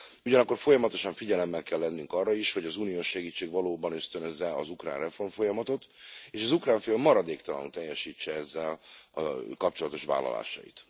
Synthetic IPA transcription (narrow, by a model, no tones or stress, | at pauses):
uɟɒnɒkːo̞rfo̞jɒmɒt̪o̞ʃɒɱfiɟɛlɛmːɛlkɛlːɛnːyŋkɒrːɒiʃho̞ɟɒzuːnijoːʃːɛɡiːt͡ʃːeːɡʋɒloːbɒnøst̪ønøzːɛɒzukra̰ːnrɛfo̞rmfo̞jɒmɒt̪o̞t̪eːʃɒzukraːɱfeːlmɒɾɒd̪eːkt̪ɒlɒ̰nt̪ɛjːɛʃiːt͡ʃːɛɛzːɛlɒ̰kɒp̚t͡ʃo̞lɒt̪oʃʋa̰ːlːɒ̰la̰ːʃɒ̰jḭt̪